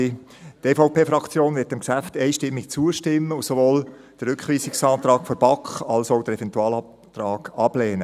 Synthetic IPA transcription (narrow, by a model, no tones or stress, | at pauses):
tefoʊpʰeːfɾɑkt͡sjoːnvɪtɪmksæft̪ɛɪʃtɪmːɪkt͡suəʃtɪmːəʊsovoːl | d̥əɾʏkχʋiːsɪksɑːt̪ɾɑːkfɔɾb̥ɑkχɑlsoʊd̥əɾɛvɛntuɑːlɑp̚ | t̪ɾɑːɡ̥ɑb̥lɛːnə